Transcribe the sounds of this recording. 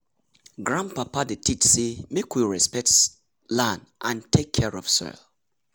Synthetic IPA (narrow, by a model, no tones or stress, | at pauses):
ɡɹãnpapadətʰit͡ʃsemekwiɹɛspɛk̚t | lãnʔãntʰekʰːɛɹɔfsɔ̰l